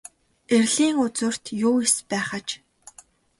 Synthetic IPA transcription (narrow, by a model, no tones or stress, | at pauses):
erʲɮiːŋʊt͡sɵ̆r̥t̪jʊːespæːχat͡ɕ